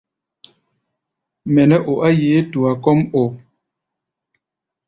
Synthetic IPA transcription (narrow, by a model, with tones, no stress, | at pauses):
mɛ˨nɛ˦ʔo˨ʔa˦je˨˦tu˨a˨kɔ˦mo˨